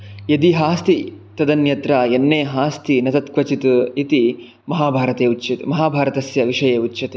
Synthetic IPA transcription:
jɐd̪iɦaːst̪it̪ɐd̪ɐnjɐt̪ɾɐenːeːɦaːst̪ʰinɐt̪ɐt̪kʋɐt͡ʃit̪uit̪i | mɐɦaːbʱaːɾɐt̪eːut͡ʃːʃɐt̪umɐɦaːbʱaːɾɐt̪ɐsjɐʋiʂɐjeːut͡ʃːʃɐt̪eː

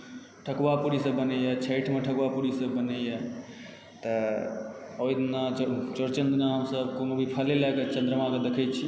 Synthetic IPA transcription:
ʈʰəkwapuɽisəbːənejɛt͡ʃʰəɪʈʰmeʈʰəkwapuɽisəbːənejɛ | t̪ə | ojd̪nat͡ʃəɾt͡ʃənd̪naɦəmsəbkonobʱipʰəlelaket͡ʃənd̪ɾəmãked̪ekʰɛt͡ʃʰi

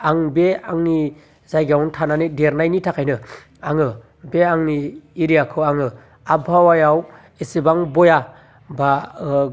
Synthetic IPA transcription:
aŋbeaŋni | zajɡawntʰananideɾnajnitʰakʰajnɯ | aŋɯ | beaŋniːɾijakʰɯwaŋɯ | abʱawajaw | esibaŋbɔja | ba

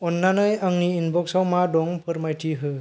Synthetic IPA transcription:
ɔnːanɯjaŋniːnbɔksawmadɔŋpʰɯɾmajtʰiɦɯ

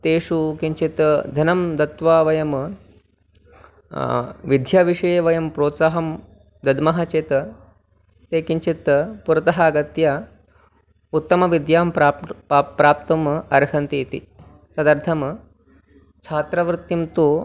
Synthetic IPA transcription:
t̪eːʃukiɲt͡ʃit̪d̪ʱjɐnɐmd̪ɐt̪ʋaːʋɐjɐm | ʋid̪ʱjaːʋiʂɐjeʋɐjɐmpɾoːt̪saːɦɐm | d̪ɐd̪mɐɦɐt͡ʃeːt̪ | t̪eːkiɲt͡ʃit̪puɾɐt̪ɐɦɐːɡɐt̪ja | ut̪ːɐmɐʋid̪jaːm | pɾaːp̚t̪ɐmɐɾɦɐnt̪it̪ḭ | t̪ɐd̪ɐɾt̪ʰɐm | t͡ʃʰaːt̪ɾɐʋɾt̪ːimt̪u

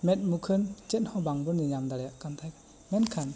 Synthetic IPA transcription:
mɛt̚mukʰɯnt͡ʃet̚hɔbaŋbɯnnijamdaɾjaʔkant̪ʰajk | mɛtkʰan

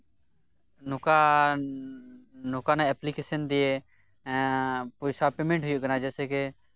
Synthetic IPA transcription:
nʊka | noːkaːnãɛːplikeːsənd̪iːẽː | poːsaːpeːmẽɳʈɦʊjokənãd͡ʒɛːseːke

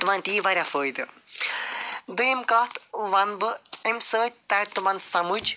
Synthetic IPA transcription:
t̪umanʲt̪iːʋaɾʲafəːjd̪ɨ | d̪ɨjemkaːt̪ʰʋɐnbɨemsəːt̚ʲt̪aɾʲt̪umɐnsɐmud͡ʒ

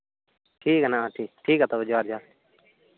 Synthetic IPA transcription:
ʈʰiːknaʈʰiːʈʰiːkat̪obəd͡ʒʋaːɾd͡ʒaː

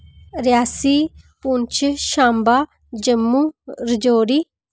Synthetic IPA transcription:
ɾɪjaːsiːpʊnt͡ʃʰʃãːmbaː | d͡ʒəmːuːɾɪd͡ʒoːɾiː

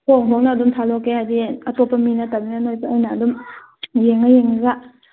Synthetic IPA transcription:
hoŋɦoŋnaːdumtʰalɔkehajdiatɔpaminataminanojbajnaːdum | jeŋajeŋɡa

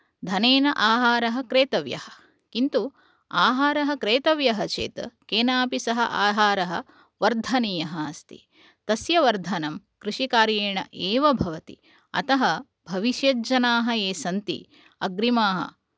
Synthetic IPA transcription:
d̪ʱɐneːnɐʔaːɦaːɾɐɦɐ̆kɾeːt̪ɐʋjɐ̰hɐ̥̆ | kint̪u | aːɦaːɾɐɦɐ̆kɾeːt̪ɐʋjɐɦɐt͡ʃḛːt̪ɐkeːnaːpisɐɦɐ̰ʔaːɦaːɾɐɦɐ̰̆ | ʋɐɾd̪ʱɐnijɐɦɐɐst̪ḭ | t̪ɐsjɐʋɐɾd̪ʱɐnɐm | kɾiʂikaːɾjeːɳɐ̰ʔeːʋɐbʱɐʋɐt̪ḭ | ɐ̰t̪ɐɦɐ | bʱɐʋiʃjɐd͡ʒɐnaːɦɐeːsɐnt̪ḭ | ɐɡɾimaːɦɐ̰

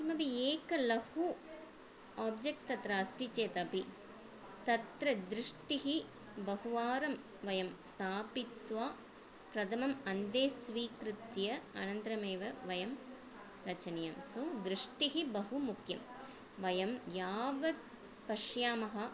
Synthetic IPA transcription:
ɐmɐbieːkɐlɐhu | aːb̚d͡ʒek̚t̪ɐt̪ɾaːsʈ̪it͡ʃeːt̪ɐpi | t̪ɐt̪ɾɐd̪ɾɪʂʈiɦi | bɐɦuʋaːɾɐm | ʋɐjɐmst̪ʰaːpit̪ʋaː | pɾɐd̪ʰɐmɐmɐnd̪eːsʋiːkɾɪt̪jɐɐ̰nɐnt̪ɾɐmeːʋɐʋɐjɐm | ɾɐt͡ʃɐnɐjɐmsud̪ɾɪʂʈiɦibɐɦumukʰjɐm | ʋɐjɐmjaːʋɐd̪̚ | pɐʂjaːmɐɦɐ

